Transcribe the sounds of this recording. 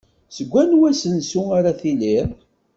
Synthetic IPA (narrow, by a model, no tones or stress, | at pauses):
səɡʷːænwæsənsuaɾaθiliɾ